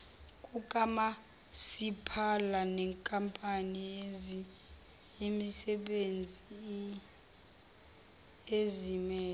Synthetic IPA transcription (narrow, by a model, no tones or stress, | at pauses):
kʼukʼama | sipʰalanɛŋkʼampʼani | jemisɛɓend͡zʱi | ezimɛːl